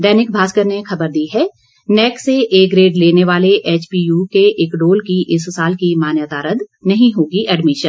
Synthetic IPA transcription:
d̪ɛːnɪk̚bʱaːskəɾnexʰɐbəɾd̪iɦɛː | nɛːkseʔeːkɾeːɖleːneʋaːleʔeːt͡ʃpiːjuːkeʔeːkɖoːlkiʔɪssaːlkimaːnjət̪aːɾəd̪nɐɦĩɦoːɡiʔɛɖmɪʃən

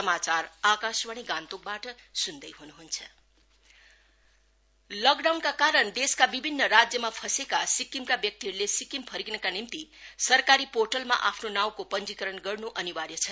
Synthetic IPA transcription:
sʌmat͡saɾakaswaɽ̃iɡãnt̪ok̚baʈʌsund̪ʌjɦunuɦunt͡sʰʌ̥ | lʌɡɖawnkakaɾʌɳd̪eskabibʱinːʌɾad͡zjʌmapʰʌsekasikimkabjʌk̚t̪iɦɾlesikimpʰʌɾiɡnʌkanimt̪isʌrkaɾiporʈʌlma̰ʔapʰnonaw̃kopʌnd͡zikʌɾʌnɡʌrnuʔʌniwaɾjʌt͡sʰʌ

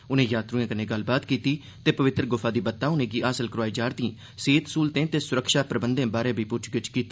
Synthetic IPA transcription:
ʊnẽːjaːt̪ɾuːẽːkənẽːɡəlbaːt̪kiːt̪iː | t̪eːpəʋɪt̪ɾəɡʊpʰaːd̪iːbət̪ːãːʊnẽːɡiːʔaːsəlkɾoaːid͡ʒaːɾt̪ĩː | seːt̪suːlt̪ẽːt̪eːsʊɾəkʃaːpɾəbənd̪ẽːbaːɾẽːbʱiːpʊt͡ʃʰɡɪt͡ʃkiːt̪ː

